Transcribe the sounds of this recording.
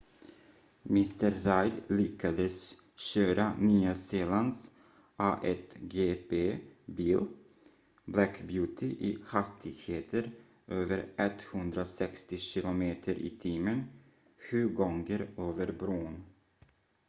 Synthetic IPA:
mɪst̪əɾːajd̪lɪkʰad̪əs | ɕøːɾʔanyːaseːlans | ʔaːʔɛt̪ɡeːpeːbiːl | blækbjʉːt̪ʰɪʔɪhast̪ʰɪɡheːt̪ʰəɾ | ʔøːvəɾʔɛt̪ːhɵnd̪ɾasɛkst̪ɪɕɪlʊmeːt̪ʰəɾḭːt̪ʰiːmən | ɧʉ̟ːɡɔŋɡəɾøːvəɾbɾuːn

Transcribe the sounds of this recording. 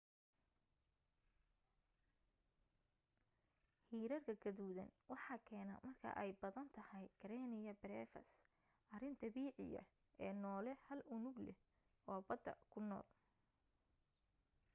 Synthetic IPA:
hiːɾɐrkʰɐɡɐðuːðɐ̰nwɑħɑːkʰɛːnɐ̰mɐrkʰɐ̰ʔɛjbɐðɐnt̪ʰɐhɛjkʰɐɾɛːnɪjɐbɾɛːfɐ̰s | ʔɐrɪnt̪ʰɐbiːʕɪ̰jɐ̰ | ʔɛːnɔːlɛhɐlʊnʊɡlɛ̰h | ɔːbɐd̪ːɐ̰kʰʊnɔ̰ːl

